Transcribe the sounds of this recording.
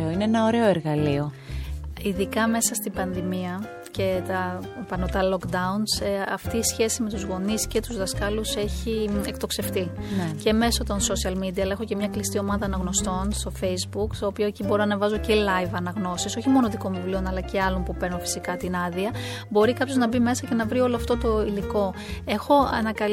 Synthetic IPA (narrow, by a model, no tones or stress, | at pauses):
oineenɐoɾe̞o̞eɾɣɐlio̞ | iðikɐme̞sɐst̪ibɐnðimiɐ | ce̞t̪ɐpɐnot̪ɐlo̞kd̪ɐunsɐft̪iːsçe̞sime̞t̪uzɣo̞nisce̞t̪uzðɐskɐluse̞çiekt̪o̞kse̞ft̪ice̞me̞sɐt̪o̞nsosiɐlmid̪iɐlexo̞ce̞mɲɐklist̪io̞mɐðɐːnɐɣno̞st̪o̞nst̪o̞fe̞jzbukt̪oːpiocibo̞ɾonɐvɐzo̞celɐjvɐnɐɣno̞siso̞çimo̞noðiko̞ɱvivlio̞nɐlɐce̞ɐlo̞npupeɾnunfi̥sikɐt̪inɐðiɐ | bo̞ɾikɐpço̞znɐbime̞sɐce̞nɐvɾio̞loɐft̪o̞t̪o̞iliko̞ | e̞xo̞ɐ̰nɐkɐ